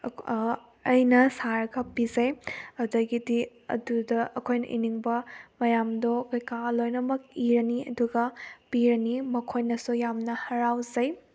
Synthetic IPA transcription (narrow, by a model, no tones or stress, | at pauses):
ɐjnɐsaɾɐɡɐpizɐjɐdɐjɡidiɐ̰dudɐʔɐkʰojnɐ̰ʔḭniŋbɐmɐjamdokojkalojnɐmɐk̚iɾɐniɐ̰duɡɐpiɾɐnimɐkʰojnɐsujamnɐhɐɾawzɐj